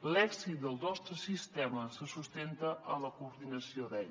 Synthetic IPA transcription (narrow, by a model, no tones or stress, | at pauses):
lɛksit̪̚d̪əlˠnɔst̪ɾəsist̪ɛməsəsust̪ent̪əʔələkuːɾðinəsioðɛʎ